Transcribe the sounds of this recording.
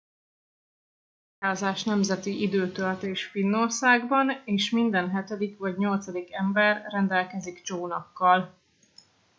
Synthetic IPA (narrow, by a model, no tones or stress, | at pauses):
haːzaːʃnɛmzɛt̪iʔid̪øːt̪ølt̪eːʃfinːo̞rsaːɡbɒneːʃmind̪ɛnɦɛt̪ɛd̪ikvɒɟɲo̞lt̪sɒd̪ikɛmbɛrːɛnd̪ɛlkɛziɡt͡ʃoːnɒkːɒl